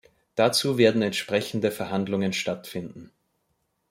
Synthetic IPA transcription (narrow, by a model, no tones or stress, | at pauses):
d̥at͡suːveːɐdn̩ɛntʃpʁ̥ɛçn̩dəfɛɐɦandlʊŋənʃtatfɪndn̩